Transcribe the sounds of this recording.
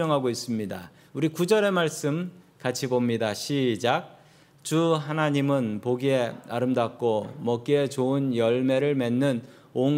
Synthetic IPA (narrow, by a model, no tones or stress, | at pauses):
ʌŋɦaɡois͈ɯmɲida̰ | uɾikud͡ʑʌɾe̞maɭs͈ɯm | kat͡ɕʰibomɲidaɕʰid͡ʑak̚ | t͡ɕuɦanaɲimɯnpoɡie̞aɾɯmdak̚k͈omʌk͈ie̞t͡ɕoɯnjʌɭme̞ɾɯɭme̞nːɯn | oŋ